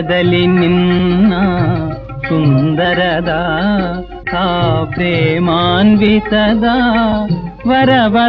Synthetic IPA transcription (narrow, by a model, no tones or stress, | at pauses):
d̪ɐlininːa | sund̪ɐɾɐd̪a | t̪aːpɾemaːnʋisɐd̪a | ʋɐɾɐʋɐ